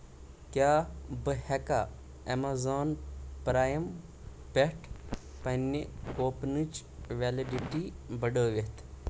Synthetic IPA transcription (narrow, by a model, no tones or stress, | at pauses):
kjaːbɨhɛka | emaːzaːnpɾaːjɐm | pʲeʈʰ | pɐnːikoːpnɨt͡ʃʋeːliɖiʈibɐɖəːʋet̪ʰ